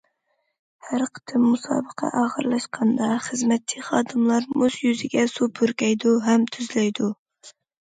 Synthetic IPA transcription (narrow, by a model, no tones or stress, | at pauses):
hæɾqʰə̥t̪ʰɨmːusɑ̰ːbəqʰɑ̰ʔɑːʁəɾlˠɑʃqʰɑnd̪ɑχəzmɛt̪̚t͡ʃʰːɪ̥χɑːd̪ɨmlˠɑɾmuzjyzɪɡʲɛsupʰøɾkʲɛjd̪uɦɛmt̪ʰyzlɛjd̪u